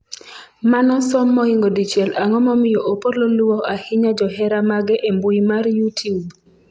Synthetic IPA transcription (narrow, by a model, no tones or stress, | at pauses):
manɔsɔmːɔɪŋɡodit͡ʃjɛlaŋɔmɔmɪjoʔopololuwɔʔahɪɲad͡ʒɔhɛɾamaɡɛʔembuimarjutʰiub